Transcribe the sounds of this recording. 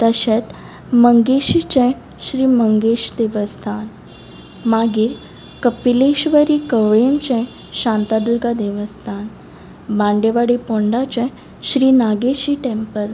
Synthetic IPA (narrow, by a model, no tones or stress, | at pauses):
t̪əɕet̪ | məŋɡeɕit͡ɕɛ̃ | ɕɾiːməŋɡeɕd̪eʋəst̪ʰan | maɡiːɾ | kəpileɕʋəɾikəʋɭemt͡ɕɛ̃ | ɕãnt̪ad̪uɾɡad̪eʋəst̪ʰan | bãɳɖeʋaɽipoɳɖat͡ɕɛ̃ | ɕɾiːnaɡeɕiːʈẽmpəɾ